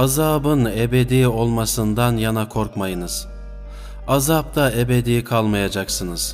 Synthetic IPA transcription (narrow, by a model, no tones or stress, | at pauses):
azaːbɯne̞be̞d̪io̞lˠmasɯnd̪anjanakʰo̞ɾkmajɯnɯz̥ | azap̚t̪ʰae̞be̞d̪ijkʰalˠmajad͡ʒaksɯnɯz̥